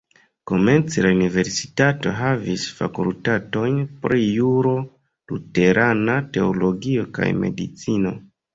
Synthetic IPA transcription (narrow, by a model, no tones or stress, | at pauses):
ko̞me̞nt͡silaunive̞ɾsi̥tato̞ɦavisfa̰kultato̞jnpɾijuɾo̞ | lute̞ɾʔanate̞olo̞ɡio̞ka̰jme̞̰dit͡sino̞